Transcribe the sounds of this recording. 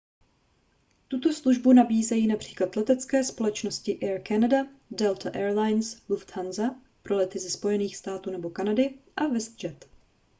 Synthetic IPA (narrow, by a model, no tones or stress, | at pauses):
t̪ut̪o̞sluʒbunabiːzɛjiːnapr̝̥iːklat̪lɛt̪ɛt͡skɛːspo̞lɛt͡ʃnoscɪʔɛɾkanadadɛlt̪aʔɛːɾlajnsluft̪hanza | pɾo̞lɛt̪ɪzɛspo̞jɛniːxst̪aːt̪uːnɛbo̞kanadɪʔavɛst̪̚d͡ʒɛt̪